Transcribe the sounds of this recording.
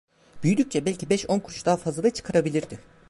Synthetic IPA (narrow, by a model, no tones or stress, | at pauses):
byjyd̪yc̚ʲt͡ʃʰɛbɛlʲcʰibɛʃo̞nkʰuɾt͡ʃd̪aːfazlˠad̪at͡ʃʰɯ̥kʰaɾabilʲiɾd̪ɪ